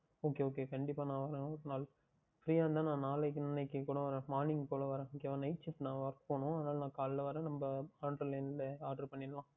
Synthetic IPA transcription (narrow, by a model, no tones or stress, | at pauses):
oːkeːoːkeːkɐɳɖɪpːaːnãːʋɐɾẽɔɾɯnaːl | fɾiːjaːʋnd̪ãːnãːnaːlɐkːnɐnɐɪkːɯkuːɽɐʋɐɾẽːmaːnɪ̃ŋɡpoːlɐʋɐɾẽːokeʋɐ̃nɐɪʈt͡ʃɪpːnãːʋaɾkpoːɳʊ̃ɐðɯnaːlɐnãːkaːllɐʋɐɾẽːnɐmbɐaːɳɖɾɐlɐːnlɐaːɾɖɐɾpɐɳːɪnlãː